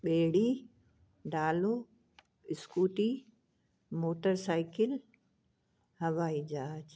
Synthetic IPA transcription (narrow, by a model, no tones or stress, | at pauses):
ɓeːɽi | ɖaːloː | ɪskuːʈi | moːʈəɾsaːɪkɪl | hɐʋaːid͡ʑaːd͡ʑ